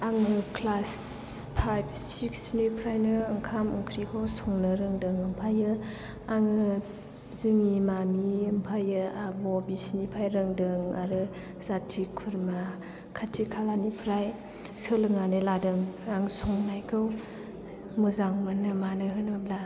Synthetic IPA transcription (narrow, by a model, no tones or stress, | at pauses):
aŋɯkʰlas | pʰajbsiksnupʰɾajnɯɯŋkʰamɯŋkʰɾikʰawsɔŋnɯɾɯŋdɯŋɯmpʰajɯ | aŋɯ | zɯŋimamiɯmpʰajɯaɡobisnipʰajɾɯŋdɯŋaɾɯ | z̥atʰikʰuɾma | kʰatʰikʰalanipʰɾaj | sɯlɯŋanɯladɯŋaŋsɔŋnajkʰɯw | muzaŋmɯnɯmanɯɦɯnbabla